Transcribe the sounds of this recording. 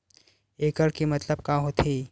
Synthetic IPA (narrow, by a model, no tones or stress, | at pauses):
ekəɾkimət̪ləb̚kaɦot̪ʰi